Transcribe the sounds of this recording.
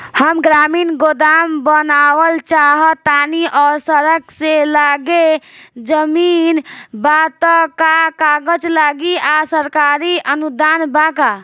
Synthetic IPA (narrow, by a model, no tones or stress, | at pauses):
həmɡɾamiːnɡod̪ambənawəlt͡ʃaɦət̪aniʔɔːɾsəɾəkselaɡed͡ʒəminbat̪əkakaɡəd͡ʒlaɡiasəɾkaɾiʔənud̪anbaka